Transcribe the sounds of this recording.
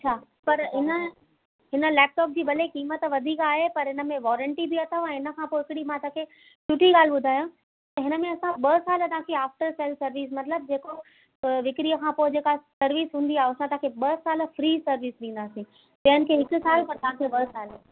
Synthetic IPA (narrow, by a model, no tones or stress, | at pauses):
ɐt͡ɕʰaː | pɐɾɦɪnə̆ | ɦɪnə̆lɛːp̚ʈɔːp̚d͡ʑiːbɐlekiːmət̪ʋɐd̪ʱiːkaːɦepɐɾɦɪnə̆mẽʋɔːɾə̃ɳʈibiɐt̪ʰəɛ̃ːɪnəkʰãpoɪɦɪkɪɽimãt̪ãkʰe | t͡ɕʊʈʰiɠaːl̤ɓʊd̪ʱaːjã | t̪ɐɦɪnə̆mẽɐsãɓɐsaːlət̪ɐãkʰeaːfʈəɾseːlsɐɾʋiːs̬mɐt̪ləb̚d͡ʑeːko | ʋɪkɾijəkʰãpoːɪd͡ʑeːkasɐɾʋiːsɦũːn̆d̪iaːɦeoɐsãt̪aɦãkʰeɓɐsaːl̆fɾiːsɐɾʋiːsɗĩːnd̪aːsĩ | d͡ʑɐɦənɪ̆kʰeːɦɪkʊ̆saːlpɐɾt̪ɐɦãkʰebɐsaːl